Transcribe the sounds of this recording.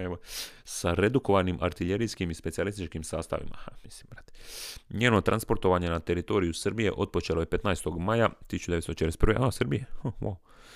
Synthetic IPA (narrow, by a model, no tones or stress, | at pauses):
eosaɾe̞d̪uko̞ʋanimʔaɾt̪iʎe̞ɾijskimispesialist̪it͡ʃkimsaːst̪a̰ʋḭma̰hamislimbɾaːt̪e̥ɲeːno̞t̪ɾʔanspo̞ɾt̪o̞ʋaɲe̞nat̪e̞ɾit̪o̞ːɾijusɨrɾbije̞̰ʔo̞t̪̚po̞t͡ʃelo̞jepe̞t̪najst̪o̞ɡmajat̪isut͡ʃud̪eest̪ot͡ʃeɾespɾʋḛʔasɾbijehawa̰w